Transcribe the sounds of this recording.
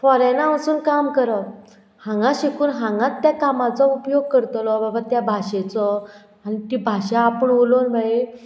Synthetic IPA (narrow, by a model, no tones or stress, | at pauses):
fɔɾenaəsuːnkamkəɾɔ | hãŋɡãɕikuːnɦãŋɡãt̪ːjakamat͡sɔupjoɡ̚kəɾt̪lɔbabʱat̪jabʱaɕet͡sɔ | anit̪ibʱaɕaːpəɳʋolonʋae